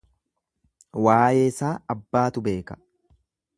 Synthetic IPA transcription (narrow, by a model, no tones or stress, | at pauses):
waːjeːɪsaːɐbːaːt̪ʊbe̞ːkɐ̥